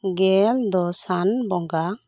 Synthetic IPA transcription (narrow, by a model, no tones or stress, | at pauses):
ɡɛld̪ɔsanbɔŋɡa